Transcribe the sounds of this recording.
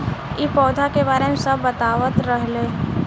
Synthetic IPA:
ipɔːd̪ʱakebaːɾemẽsɐbːət̪aːʋət̪ɾəɦleː

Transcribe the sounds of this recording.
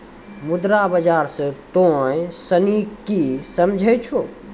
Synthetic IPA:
mud̪ɾabəd͡ʒaɾsə̃t̪ojsənikisəmd͡ʒʱəjt͡ʃʰo

